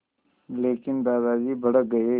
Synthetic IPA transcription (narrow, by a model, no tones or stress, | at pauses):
leːkɪnd̪aːd̪aːd͡ʒiːbʱəɽək̚ɡɐe